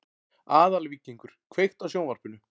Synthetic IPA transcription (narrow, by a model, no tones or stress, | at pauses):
aːðalvicːiŋkʏɾ̥kʰvejxt̪awsjownvaɾ̥pʏnʏ